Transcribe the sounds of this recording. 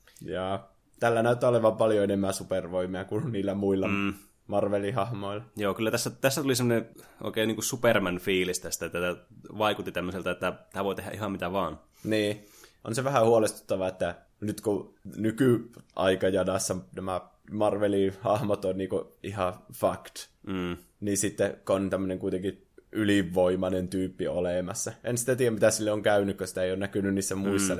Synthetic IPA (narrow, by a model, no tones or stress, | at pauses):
jɑː | t̪ælːænæyt̪ːˑæːoleʋɑmpɑljoenemːæsuperʋoimiɑkuniːlːæmuilːɑ | mɑrʋelihɑhmoilɑjoːkylːæt̪æsːæt̪æsːæt̪ulisemːoneʔo̰ˑikeˑːniːŋkusupermænfiːlist̪æst̪æet̪ːæt̪æʋɑikut̪ːit̪æmːøselt̪ɑet̪ːæt̪æːʋoˑit̪ehæʔihɑmmit̪æʋɑːn | niː | ʔonseʋæhæhuolest̪u̥t̪ːɑʋɑet̪ːæ | nyt̪konykyʔɑ̰ikɑjɑnɑsːɑnæmæ | mɑrʋelihɑhmot̪onniːkoʔihɑfɑkt̪̩ː | niːsit̪ːekont̪æmːøneŋkuit̪eŋki | ʔyliʋːoimɑnent̪yːpːiolemɑsːɑensi̥t̪æt̪iːjæmit̪æsilːeoŋkæynykkøsi̥t̪æeijoːnækynynniːsːæmuist̪ːɑn